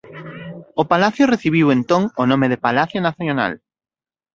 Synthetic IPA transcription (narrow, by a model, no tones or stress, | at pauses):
opalaθjʊreθiβ̞iwẽnt̪oŋonõmeðepalaθjonaθjona̰l